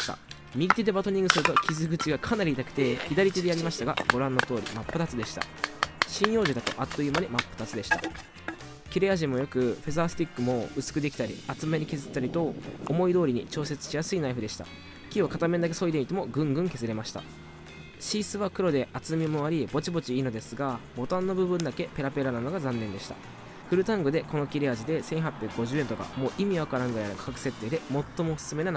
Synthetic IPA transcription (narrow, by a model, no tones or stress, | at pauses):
a̰ | mʲiɡʲit̪ʲed̪e̞bat̪o̞ɲ̟ĩŋɡɯsɨɾɯ̟t̪o̞kʲizɨɡɯ̟t͡ɕiɡakʰanaɾʲiːt̪akɯ̟̥t̪e̞çid̪aɾʲit̪ed̪e̞jaɾʲimaɕi̥t̪aɡa̰bo̞ɾãnːo̞t̪o̞ːɾʲḭmapːɯ̟t̪at͡sɨd̪e̞ɕi̥t̪a̰ | ɕĩɰ̃jo̞ːʑid̪at̪o̞̰ʔat̪ːo̞jɯ̟ːmanʲeimapːɯ̟t̪at͡sɨd̪e̞ɕi̥t̪a̰ | kʲiɾe̞jaʑĩmːo̞jokɯ̟ɸe̞zasɨ̥t̪ʲikːɯ̟mo̞ɯ̟sɨ̥kɯ̟d̪e̞kʲi̥t̪aɾʲḭat͡sɨmeɲ̟ikʲizɨt̪ːaɾʲit̪o̞ːmo̞id̪o̞ːɾʲiɲ̟it͡ɕo̞ːse̞t͡sɨ̥t͡ɕijasɨinaiɸɯd̪e̞ɕi̥t̪a̰ | kʲiakat̪amẽ̞d̪ak̬e̞so̞id̪eit̪e̞mo̞ɡɯ̟̃ŋɡɯ̟̃ŋke̞zɨɾe̞maɕi̥t̪a̰ | ɕiːsɨβakɯ̟ɾo̞d̪e̞ʔat͡sɨmʲimoaɾʲibo̞t͡ɕibo̞t͡ɕiiːno̞d̪e̞sɨɡabo̞t̪ãnːo̞bɯ̟bɯ̃nd̪ake̞pe̞ɾape̞ɾanano̞ɡazãnːẽ̞nd̪e̞ɕi̥t̪a̰ | ɸɯ̟ɾɯ̟t̪ãŋɡɯ̟d̪e̞ko̞no̞kʲiɾe̞aʑid̪e̞sẽ̞ɰ̃ɦapʲjakɯɡo̞ʑɨːe̞nt̪o̞ka̰mo̞ːʔimʲiaβakaɾãŋɡɯ̟ɾainkḁkakɯ̟̥se̞t̪ːe̞ːd̪e̞mo̞t̪ːo̞moːsɨ̥sɨme̞nan